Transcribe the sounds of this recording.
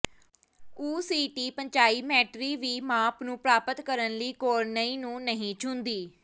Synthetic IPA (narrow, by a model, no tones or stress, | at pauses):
uːsiːʈiːpəɲt͡ʃaːiːmɛːʈɾiːʋiːmãːpnũːpɾaːpət̪kəɾənliːkoːɾnəĩːnũːnəɦĩːt͡ʃʰʊ̃nd̪iː